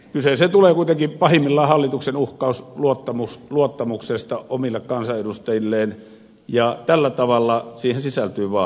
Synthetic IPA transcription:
kyseset̪uleːkuit̪eŋkipɑhimːilːɑˑːhɑlːit̪uksenuhkˑɑˑusluot̪ːɑmusluot̪ːɑmuksest̪ɑʔomilːekkɑnsɑedust̪ɑjilːeːn | jɑt̪ælːæt̪ɑʋɑlːɑsiːhensisælt̪yːʋɑː

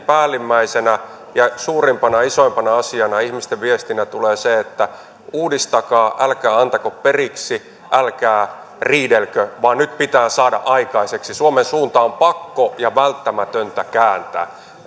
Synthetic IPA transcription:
pæːlːimːæisenæ | jɑsuːrimpɑnɑisoimpɑnɑɑsiɑnɑihmist̪eʋʋiest̪inæt̪uleːseet̪ːæ | uːdist̪ɑkɑːʔælkæːɑnt̪ɑkopperiksi | ʔælkæː | riːdelkøʋɑːnnyt̪pit̪æːsɑːdɑ̰ʔɑikɑiseksisuomensuːnt̪ɑompɑkːojɑʋælt̪ːæmæt̪ønt̪ækæːnt̪æ̰ː

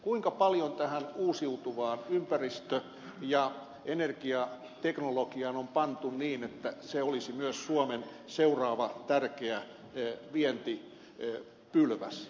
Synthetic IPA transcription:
kuiŋkɑpɑljont̪æhænuːsiut̪uʋɑːnympærist̪ø | jɑ | enerkiɑ | t̪eknolokiɑnompɑnt̪unniːnet̪ːæseolisimyøssuomen | seurɑːʋɑt̪ærkeæ | ʋiɛnt̪i | pylʋæ̰s

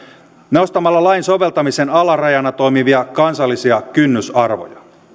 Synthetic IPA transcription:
neost̪ɑmːɑlːɑlɑjnso̞ʋe̞lt̪ɑmisenɑlɑrɑjɑnɑt̪o̞jmiʋiɑkɑnsɑlːisiɑkynːysɑrʋo̰jɑ

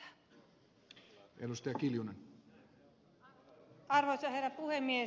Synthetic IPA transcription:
edust̪ɑjɑkiljunen | ɑrʋojsɑherːæpuhemːie

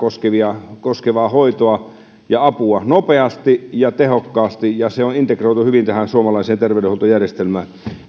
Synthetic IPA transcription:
oskeʋiɑkoskeʋɑːhoit̪oɑ | jɑɑpuɑnopeɑst̪ijɑt̪ehokːɑːst̪ijɑseonint̪ekroˑit̪uhyʋint̪æhænsuomɑlɑiseːnt̪erʋeˑydeholt̪ojærjest̪elmæːn

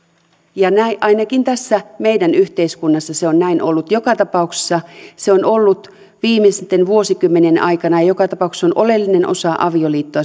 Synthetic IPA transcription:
jɑnæiʔɑinɑkint̪æsːæme̞jdænyht̪eiskunːɑsːɑseonnæinʔo̞lːut̪jokɑt̪ɑpɑukse̥sːɑseonolːut̪ | ʋiːmest̪enʋuo̞sikymːenenɑ̰jkɑnɑjɑjo̞kɑt̪ɑpɑˑukse̥sonʔo̞le̞lːine̞nʔo̞̰sɑʔɑ̰ʋioliːt̪ːoɑ

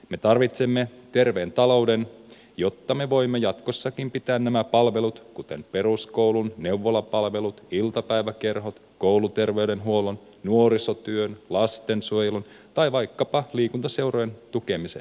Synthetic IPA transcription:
me̞t̪ɑrʋit̪semːet̪e̞rʋeːnt̪ɑlo̞wden | jo̞t̪ːɑme̞ʋo̞imːejɑt̪ko̞sːɑkimpit̪æːnnæmæpɑlʋe̞lut̪kut̪e̞mpe̞rusko̞wlunne̞wʋːolɑpɑlʋe̞lut̪ilt̪ɑpæjʋæke̞rɦo̞t̪ko̞wlut̪e̞rʋe̞yɥdenɦuo̞lon | nuoɾisot̪yønlɑst̪e̞nsuojelunt̪ɑjʋɑjkːɑpɑliːkunt̪ɑse̞wrojent̪uke̞misḛ

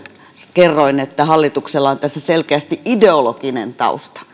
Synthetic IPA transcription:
kerːoinet̪ːæhɑlːit̪ukselːɑont̪æsːæselkeæst̪iʔideolokinḛnt̪ɑ̰ṵst̪ɑ̥

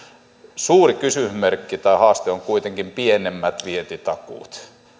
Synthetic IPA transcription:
suːrikysymerkːit̪ɑihɑːst̪eoŋkuit̪eŋkimpienemːæt̪ʋiet̪it̪ɑkṵˑt̪

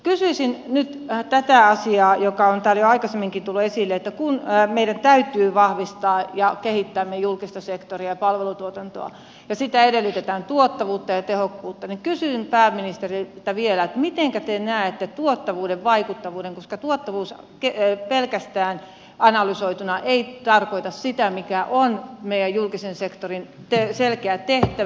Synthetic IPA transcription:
kysyisinnyt̪t̪æt̪æɑsiɑːjokɑont̪æːljoɑikɑsemːiŋkit̪ulːuesilːeet̪ːækunːmeidænt̪æyt̪yːʋɑhʋist̪ɑːjɑkehit̪ːæːmːiejulkist̪ɑsekt̪oriɑjɑpɑlʋelut̪uot̪ɑnt̪o̰ɑ̰ | jɑsit̪æedelːyt̪et̪æːnt̪uot̪ːɑʋuːt̪ːɑjɑt̪ehokːuːt̪ːɑniŋkysynpæːmminist̪erit̪ɑʋielæet̪mit̪eŋkæt̪enæːet̪ːet̪uot̪ːɑʋuːdeʋʋɑikut̪ːɑʋuːdeŋkoskɑt̪uot̪ːɑʋuːs | kepelkæst̪æːn | ɑnɑlysoit̪unɑʔeit̪ɑrkoit̪ɑssit̪æmikæʔonmeijæjjulkisensekt̪orint̪eselkeæt̪eht̪æ

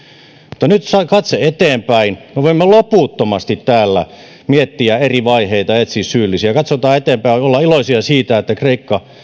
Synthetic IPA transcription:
mut̪ːɑnyt̪sɑkɑt̪seet̪eːmpæinmeʋoimːolopuːˑt̪ːomɑst̪it̪tæːlːæ̰ | miet̪ːiæeriʋɑiheit̪ɑet̪sissyːlːisiækɑt̪sot̪ɑːet̪eːmpæiolːɑiloisiɑsiːt̪æet̪ːækreikːɑ

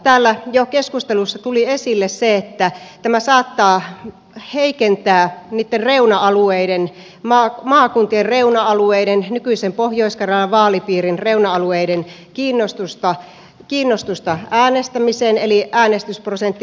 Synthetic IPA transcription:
t̪æːlːæjokeskust̪elusːɑt̪uliesilːesseet̪ːæt̪æmæsɑːt̪ːɑː | heikent̪æːniːt̪ːerreunɑɑlueiden | mɑːmɑːkunt̪ierreunɑɑlueidennykyisempohjoiskɑrɑlːɑʋɑːlipiːrinreunɑɑlueiden | kiːnːost̪ust̪ɑ | kiːnːost̪ust̪ɑæːnest̪æmiseneliʔæːnest̪ysprosent̪ːi

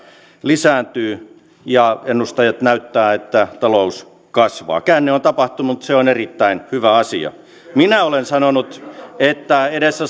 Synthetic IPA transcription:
lisæːnt̪yː | jɑenːust̪ɑjɑt̪næyt̪ːæːet̪ːæt̪ɑlous | kɑsʋɑ̰ːkæːnːeont̪ɑpɑht̪umut̪seonerit̪ːæinhyʋæɑsḭɑ̰ | minæolensɑnonut̪et̪ːæedesːæ

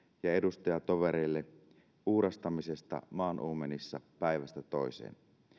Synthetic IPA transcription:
jɑedust̪ɑjɑt̪oʋeɾeilːe | ʔuːɾɑst̪ɑmisest̪ɑ̰mɑːnʔuːmenisːɑ̰pæiʋæst̪æt̪oisḛːn

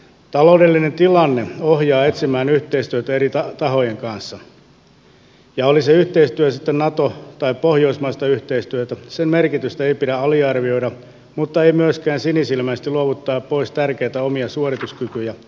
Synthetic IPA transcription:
t̪ɑloudelːinent̪ilɑnːeohjɑːet̪simæːnyht̪eist̪yøt̪æeɾiɑt̪ɑɦo̞jeŋkɑnsːɑ | jɑoliseyht̪eist̪yæsit̪ːennɑt̪ot̪ɑippohjo̞ismɑist̪ɑyht̪eist̪yøt̪æsemmerkit̪yst̪æeipidæɑliɑrʋio̞idɑ | mut̪ːɑeimyøskæːnsinisilmæist̪iluoʋut̪ːɑːppoist̪ærkeit̪æomiɑsuorit̪uskykyjæ

